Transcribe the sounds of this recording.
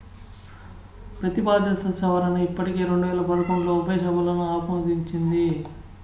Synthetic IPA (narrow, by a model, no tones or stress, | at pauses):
pɾɐt̪ibaːd̪ʱjɐt̪ɐsɐʋɐɾɐnɐipːɐʈike̞ːɾeɳɖuʋɛːlɐpɐɽɐkɐmloːupɐjɐsɐbɐlɐnuaːpɐmɐd̪iɲt͡ʃind̪i